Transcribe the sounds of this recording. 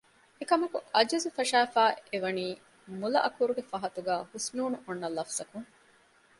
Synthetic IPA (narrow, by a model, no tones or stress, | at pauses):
ekɐmɐkuʔɐd͡ʒɐzufɐʃæːfæːeʋɐniː | mulɐʔɐkuɾuɡefɐɦɐt̪uɡæːhusnuːnuʔonːɐlːɐfsɐkuŋ